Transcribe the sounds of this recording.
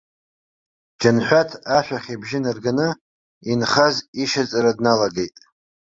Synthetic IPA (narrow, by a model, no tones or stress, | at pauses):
d͡ʒanħʷᶣatʰaʃʷᶣaχʲibʒɪnɨrɡanɨ | inχaziʃat͡sʼaɾadnalaɡejtʼ